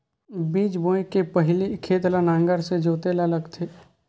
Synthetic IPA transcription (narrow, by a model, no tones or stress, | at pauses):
biːt͡ʃbõːekepəɦɪlikʰeːt̪lanãːŋɡəɾsed͡ʒoːt̪elaləɡt̪ʰeː